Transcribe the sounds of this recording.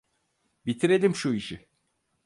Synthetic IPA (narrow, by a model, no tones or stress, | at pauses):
bit̪ʰiɾe̞lʲimʃuiʃi